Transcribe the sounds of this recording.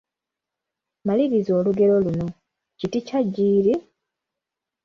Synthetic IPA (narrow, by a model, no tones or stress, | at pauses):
maliβizo̞ːluɡe̞ɾo̞luno̞ | citicaɟːiːɾi